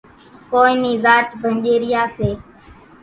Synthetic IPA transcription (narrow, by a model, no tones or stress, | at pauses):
koːĩːniːzaːt͡ʃbʱənʄeːɾɪjaːseː